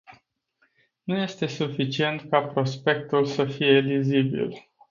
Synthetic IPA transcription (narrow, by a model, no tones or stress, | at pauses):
nuje̞st̪e̞sufit͡ʃie̞nt̪kapɾo̞spe̞k̚t̪ulsəfije̞lizibḭl